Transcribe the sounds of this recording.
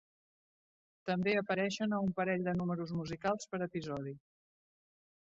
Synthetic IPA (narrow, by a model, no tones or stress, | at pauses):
t̪əmbeəpəɾɛʃənəumpəɾɛʎd̪ənuməɾuzmuzikalˠspəɾəpizɔð̞i